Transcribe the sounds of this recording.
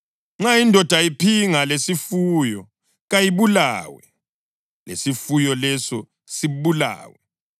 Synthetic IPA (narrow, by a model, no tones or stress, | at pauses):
ŋ͡ǁaindʱɔd̥ʱaipʰiŋalesifuːjɔ | ɣajiβula̰ːwɛ̰ | lḛsifujɔlɛsɔ | siβula̰ːwɛ